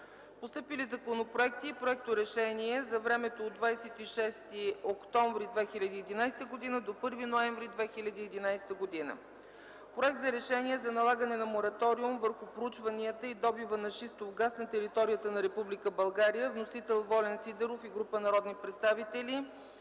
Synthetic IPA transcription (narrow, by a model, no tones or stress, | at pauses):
post̪ɤpilizɐkonopɾoɛk̚t̪iːpɾoɛk̚t̪oɾɛʃɛniɛzɐvɾɛmɛt̪oːd̪vajsɛt̪iʃɛst̪iokt̪ɔ̃ɱvɾid̪vɛxilʲɐd̪iːd̪inajsɛ̥t̪əɡod̪inəd̪opɤɾvinoɛɱvɾid̪vɛxilʲɐd̪iːd̪inajsɛ̥t̪əɡod̪inə̰ | pɾoɛk̚t̪zɐɾɛʃɛniɛzɐnɐlˠaɡənɛnɐmoɾɐt̪ɔɾiumvəɾxʊpɾout͡ʃvɐniət̪əid̪ɔbivənɐʃist̪ovɡasnɐt̪ɛɾit̪ɔɾijət̪ənɐɾɛpublikəbɐlˠɡaɾijəvnosit̪ɛlˠvɔlɛnsid̪ɛɾofiɡɾupənɐɾɔd̪nipɾɛt̪st̪avit̪ɛli